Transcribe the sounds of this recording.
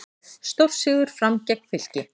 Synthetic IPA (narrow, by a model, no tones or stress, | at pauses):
st̪ofsɪɣʏɾ̥fɾamcɛk̚n̥fɪl̥cɪ